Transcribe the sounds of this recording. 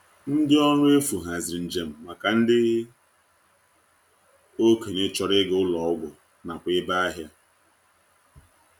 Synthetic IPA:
n̩˦dɪ˦ɔ˦nʊ˦e˦fu˨ɦa˨zɪ˨n̩˨d͡ʒe˨m̩˨ma˨ka˨n̩˦dɪ˦ | o˦ke˨ɲe˦t͡ʃɔ˨ɾɪ˦ɡʊ˦lɔ˨ʊ˦ɡʷʊ˨ | na˨kʷɪ˦ba˦a˦ɦja˦

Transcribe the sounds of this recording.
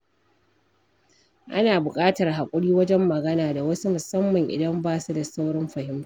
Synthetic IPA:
ʔa̰˦naː˨bʊ˨kʼaː˦tɐ˨rɦa˨kʷʼʊ˦ɽiː˦wɐ˦d͡ʒɛ˦mːɐ˨ɡɐ˦naː˨da˨wɐ˦su˦mʊ˨sɐ˦mːɐ˨ŋʔɪ̰˨dɐ˦mbaː˦˨su˦da˨sa˦wɽɐ˦mɸɐ˨hɪ˦m˦

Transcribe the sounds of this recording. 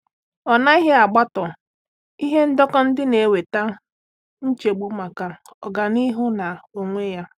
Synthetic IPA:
ɔ˨na˦i˦ɦe˦a˨ɡ͡ba˦tɔ˨ | i˦ɦe˦n̩˦dɔ˦kɔ˦n̩˦dɪ˦ne˨we˨ta˦ | n̩˦t͡ʃe˨ɡ͡bu˦ma˨ka˨ | ɔ˨ɡa˨ni˦ɦʊ˦na˨o˨ŋʷe˦ja˦

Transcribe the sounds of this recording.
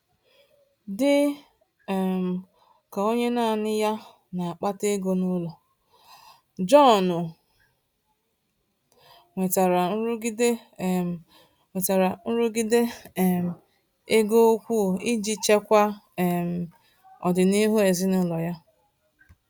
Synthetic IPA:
dɪ˦˨ | m̩˨ | ka˨o˦ɲe˦na˦˨nɪ˦ja˦ | na˨a˨k͡pa˦te˦ɡo˦nʊ˦lɔ˨ | d͡ʒɔ˦˨nʊ˨ | ŋʷe˨ta˨ɾa˨n̩˦ɾɡi˦de˦˨ | ŋʷe˨ta˨ɾa˨n̩˦ɾʊ˦ɡi˦de˦˨m̩˨ | e˦ɡo˦kʷu˦˨i˦d͡ʒi˦t͡ʃe˦kʷa˦˨m̩˨ | ɔ˨dɪ˨ni˦ɦu˦e˨zɪ˦nʊ˦lɔ˨ja˦

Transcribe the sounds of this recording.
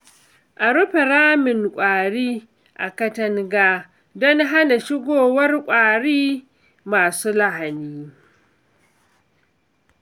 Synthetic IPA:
ʔa˨ɾʊ˦ɸe˨ɾaː˦mɪ˨ŋkʷʼaː˨ɽiː˦ | ʔa̰˨kɐ˦tɐ˦ŋɡaː˦ | dɔ˦nɦa˦na˨ʃɪ˦ɡʷoː˨wɐ˦rkʷʼaː˨ɽiː˦ | maː˨suː˦la˦ɦa˨niː˦

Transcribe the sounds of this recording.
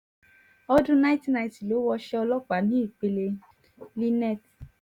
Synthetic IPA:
ɔ˧dũ˦na˦ti˦na˨i˨ti˨lo˨˦wɔ˧ʃɛ˦ɔ˧lɔ˦k͡pa˨nĩ˨˦i˦˨k͡pe˧le˧ | li˦nɛ˦˨t

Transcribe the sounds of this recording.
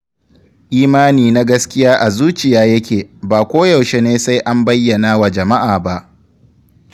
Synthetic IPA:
ʔiː˦maː˦niː˨na˦ɡɐ˦skʲɪ˦jaː˦ʔa˨zuː˦t͡ʃɪ˨jaː˦jɐ˦kʲeː˨baː˨kʷoː˦jɐ˨wʃe˦neː˦sa˦jʔa˦mbɐ˦jːɐ˨naː˦wa˨d͡ʒɐ˨ma˦ʔaː˨ba˦ʔ

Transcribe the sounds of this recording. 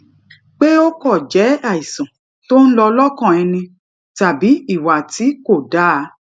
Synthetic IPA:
k͡pe˦o˦kɔ˦˨d͡ʒɛ˨˦a˦˨i˨sã˨ | to˦n̩˦lɔ˧lɔ˦kã˦˨ɛ˧nĩ˧ | ta˨bi˨˦i˦˨wa˨ti˨˦ko˦˨da˨˦˨

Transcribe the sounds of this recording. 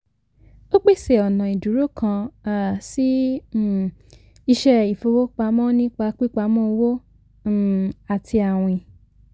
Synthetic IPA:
o˦k͡pe˦˨se˨ɔ˨nã˨i˨du˨˦ɾo˦kʰã˧a˨si˦˨ | i˧ʃɛ˧i˨fo˧wo˦k͡pa˧˦mɔ̃˦nĩ˦k͡pa˧k͡pi˦k͡pa˧˦mɔ̃˦o˧wo˦˨ | a˨tʰi˧a˨w̃ɔ̃˨i˨

